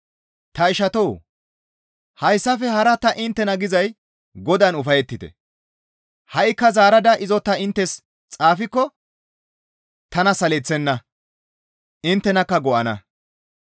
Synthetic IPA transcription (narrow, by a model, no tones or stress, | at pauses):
t̪ɐɪʃɐt̪ɔw | hɐjsːɐfɛhɐɾɐt̪ɐʔɪnt̪ːɛnɐɡɪzɐj | ɡɔd̪anʊfɐjɛt̪ːɪt̪ɛ̰ | hɐʔɪkːɐzaːɾɐd̪ɐʔɪzɔt̪ːɐɪnt̪ːɛs | t͡sʼaːfɪkːɔ | t̪ɐnɐsɐlɛt͡sːɛnːɐ | ɪnt̪ːɛnɐkːɐɡɔʔɐnɐ̰